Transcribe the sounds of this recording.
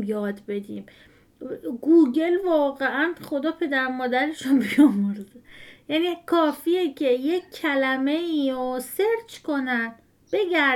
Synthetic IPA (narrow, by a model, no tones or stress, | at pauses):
jɒːd̪be̞d̪iːm | ɡuːɟe̞lvɒːɣe̞ʔænxo̞d̪ɒːpʰe̞d̪æɾmɒːd̪æɾeʃumbijɒmoɾzejæniːkʰɒːfiecʰe̞jecʰːælæme̞iːose̞ɾt͡ʃʰko̞næn | b̥e̞ɡæ